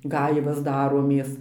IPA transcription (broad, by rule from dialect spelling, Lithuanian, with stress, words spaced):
ˈɡɐɪʋɐs ˈdɑːroːmʲeːs